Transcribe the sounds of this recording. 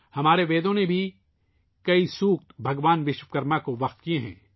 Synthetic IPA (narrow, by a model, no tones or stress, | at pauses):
hɐmaːɾeʋeːd̪õnebʱi | kɐisuːkt̪bʱɐɡʋaːnʋɪʃwəkɐɾmakoʋɐqt̪kieɦɛ̰̃ː